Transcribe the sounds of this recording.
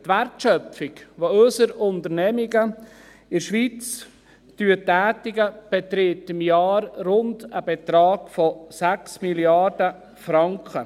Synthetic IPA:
tværtʃœfɪkʋoɵsəɾʊntəɾnɛmiɡə | ɪɾʃʋiːt͡s | tyətːæːtɪɡəb̥ɛtɾɪtɪmjɑːɾrʊndəbɛtɾɑːɡ̥fɔsæksmiljɑɾdə | fɾɑŋkχə

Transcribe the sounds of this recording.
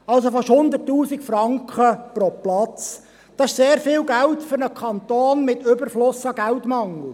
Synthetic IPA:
ɑls̬ofɑʃhʊnd̪ərtːuːsɪkfɾɑŋkχəpɾɔplɑt͡s | d̥ɑːɪʃseːɾfɪːlɡæltfʏɾnəkʰχɑnt̪oːnmɪtɵbəɾflʊsɑɡæltmɑŋl̩ˠ

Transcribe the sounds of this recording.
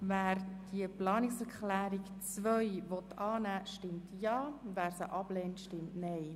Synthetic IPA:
væːɾd̥iəplɑːnɪksɛɾkχlæːɾikt͡svœjʋɔt̪ɑːnæːʃtɪmtjɑːvæːɾsəʔɑb̥lɛːntʃtɪmtnɛj

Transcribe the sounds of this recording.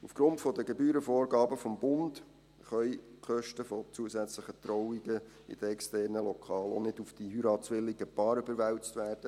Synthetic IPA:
ufɡ̥ɾʊntfɔdəɡebyːɾəfoːɾɡɑːbəfɔmbʊnd | χœʏkχœʃtəfɔt͡suəsæt͡sləχət̪rɔwiɡə | ḭd̥əɛkstɛːrnəlɔkʰɑːlo̰nɪdufd̥iɦyɾɑːt͡sʋɪlːiɡəpɑːɾybəɾʋæwt͡stʋæːrd̥ə

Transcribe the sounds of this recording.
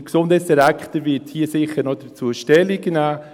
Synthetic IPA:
ksʊndəsdəɾakχtəvɪthiːəsɪχəɾnɔdət͡suəʃtɛliɡnaː

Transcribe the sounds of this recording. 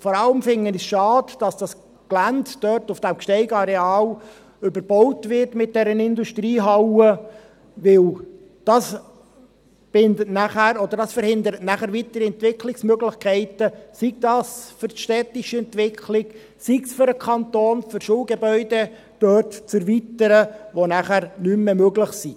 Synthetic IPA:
fɔɾɑləmfɪŋːənisʃɑːd̥d̥ɑsd̥ɑs | klænddœɾtʊfd̥æmkʃtɛɪɡɑɾeɑːl | ʏbəɾb̥ɔwtʋɪrtmɪt̚d̥ɛɾənɪnduʃtɾiːɦɑwə | ʋɪl | d̥ɑs | b̥ɪndətnæχæɾɔd̪əɾdɑsfəɾhɪnd̪əɾətnæχæɾʋit̪əɾiɛntʋɪkʰlɪksmøɡlɪχkʰɛɪtəsiɡ̚dɑːsfʏɾʃtɛt̪ɪʃəɛnt̪ʋɪkχʰlɪɡ | siɡsfʏɾəkʰɑnt̪oːnfʏɾʃuːlɡɛbœʏdɛ | d̥øːrtt͡sɛɾvitəɾəʋonæχæɾnymːemøɡləχsi

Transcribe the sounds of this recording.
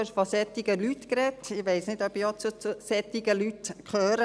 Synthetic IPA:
ʃfɔsɛtːiɡəlytkɾɛtɪʋɛɪsnɪdœpjɔt͡sut͡susɛt̪ːiɡəlytkʰøːɾə

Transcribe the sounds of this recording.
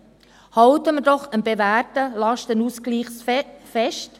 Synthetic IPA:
hɑwtəmədɔχənbevæːrtəlɑʃtənuskliːχsfɛʃt

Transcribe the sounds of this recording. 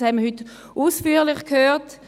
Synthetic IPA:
hɛməyt | uːsfyːlɪχkʰhøːt

